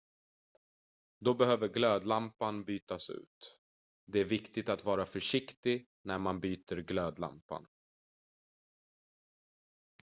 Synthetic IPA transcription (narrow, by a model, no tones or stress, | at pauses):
d̪ɔbɛhøːvəɾɡløːd̪lampanbyːt̪asʉ̟̰ːt̪ | d̪ɛæɾvɪkt̪ɪt̪at̪vɑːɾafœʂɪkt̪ɪ | næɾmanbyːt̪əɾɡløːd̪la̰mpa̰n